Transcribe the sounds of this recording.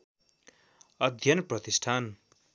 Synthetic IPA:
ʌd̪ʱjʌnprʌt̪isʈʰan

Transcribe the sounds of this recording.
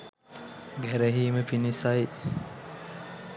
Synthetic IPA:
ɡæɾeɦiːməpinisaj

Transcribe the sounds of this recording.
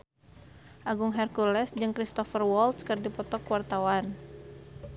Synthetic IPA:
ʔaɡuŋɦɛrkulɛsd͡ʒɨŋkɾist̪ɔfərwɔlt̪skɨrdipɔt̪ɔkuwart̪awan

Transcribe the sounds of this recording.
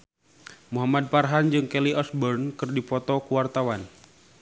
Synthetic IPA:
muɦamad̚parɦand͡ʒɨŋkɛliʔɔsbɔrnkɨrdipɔt̪ɔkuwart̪awan

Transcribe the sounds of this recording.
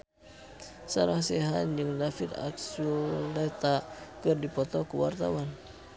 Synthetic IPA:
saɾaŋseɦanjɨŋdafit̪a̰ksulɛt̪akɨrdipɔt̪ɔkəwart̪awan

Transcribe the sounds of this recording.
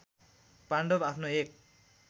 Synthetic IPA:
paɳɖobapʰnoek̚

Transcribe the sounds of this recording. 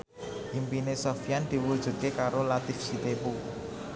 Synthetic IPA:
jimpinesofijand̪̥i̤wud̥ʒ̥ṳt̪̚kekaɾolat̪ifsit̪epu

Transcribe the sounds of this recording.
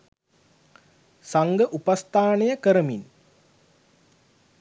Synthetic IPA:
saŋɡəʔupast̪ʰaːnɐjəkəɾəmin

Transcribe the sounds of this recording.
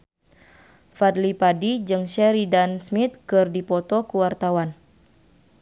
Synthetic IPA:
fad̪lipadid͡ʒɨŋʃɛɾidansmit̪̚kɨrdipɔt̪ɔkuwart̪awan

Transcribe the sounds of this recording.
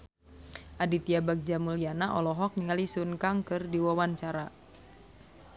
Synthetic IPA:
ʔadit̪iabak̚d͡ʒamulianaʔɔlɔɦɔk̚niŋalisunkaŋkɨrdiwawant͡ʃaɾa

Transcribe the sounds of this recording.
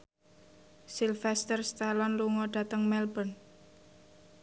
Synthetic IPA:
silfɛst̪ərst̪alɔnluŋɔɖ̥a̤t̪əŋmɛlbən

